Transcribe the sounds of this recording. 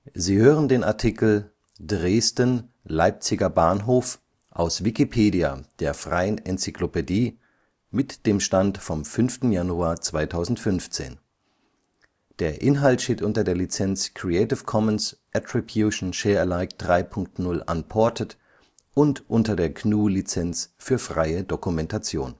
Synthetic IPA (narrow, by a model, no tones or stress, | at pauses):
ziːhøːʁəndeːna̰ɐtʰikl̩ | dʁeːstən | laɪp̚t͡sɪɡɐbaːnɦoːf | ʔaʊsv̥ikipʰeːdia̰d̥eːɐfʁ̥a̰ɪənɛnt͡siklopediː | mɪtd̥eːmʃtantfɔmfʏnftn̩januaːɐt͡sv̥aɪtʰaʊzn̩tfʏnft͡sḛːn | d̥eːɐʔɪnɦaltʃteːtʔʊntɐdeːɐlit͡sɛnt͡skʁ̥iɛɪtɪfkʰɔmənsʔatʁ̥ibjuʃn̩ʃɛːɐɛɐlaɪkd̥ʁaɪpʰʊŋktnʊlʔa̰npʰɔɐtʰət | ʔʊntʔʊntɐdeːɐkʰnuːlit͡sɛnt͡sfyːɐfʁ̥aɪədokumɛntat͡sjoːn